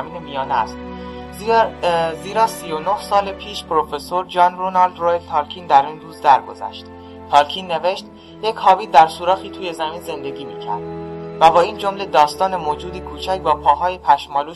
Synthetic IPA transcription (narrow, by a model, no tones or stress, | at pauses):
miːnemijɒːnæ̰st̪ | ziːɾɒːsiːjo̞nohsɒːlepʰiːʃpɾofe̞soɾd͡ʒɒːnronɒld̪rojelt̪ʰɒːlcʰiːnd̪æɾiːnd̪uːzd̪æɾɡo̞̰zæ̰ʃt̪ | t̪ʰɒːlcʰiːnːe̞ve̞ʃt̪ | jecʰhɒːviːd̪æɾsuːɾɒːxiːt̪ʰuːje̞zæmiːnze̞nd̪e̞ɡʲiːmiːcʰæ̰ɾd̪̥væbɒːiːnd͡ʒo̞mle̞d̪ɒːst̪ɒːne̞moːd͡ʒuːd̪iːkʰuːt͡ʃʰæcbɒːpʰɒːɦɒːjepʰæʃmɒːluː